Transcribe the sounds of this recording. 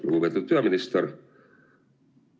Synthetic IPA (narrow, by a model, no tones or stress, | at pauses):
lṵɡubet̪ːud̪̚pyɑminist̪eɾ